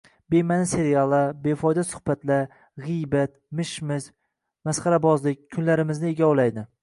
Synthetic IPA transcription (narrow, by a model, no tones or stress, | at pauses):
be̞manse̞ɾialˠabe̞fɒjd̪asʊ̥hbat̪la | ʁɨjbat̪ | mɪʃmɪz | masχaɾabɒzlɪk̚ʲʰːʊnlaɾɪmɪznɪe̞ɡʲaolajd̪ɪ